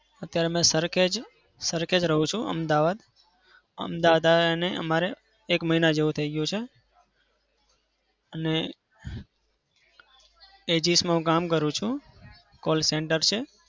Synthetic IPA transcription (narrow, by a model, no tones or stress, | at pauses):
ət̪jaɾemẽsəɾkʰed͡ʒ | səɾkʰed͡ʒɾəɦũt͡ʃʰũʔə̰md̪aʋad̪ | ə̰md̪aʋad̪aneʔə̰maɾeː | kməɦinad͡ʒeʋũt̪ʰəiɡjũt͡ʃʰe | əne | ed͡ʒismãɦũk̬amk̬əɾũt͡ʃʰũ | kolseɳʈəɾt͡ʃʰe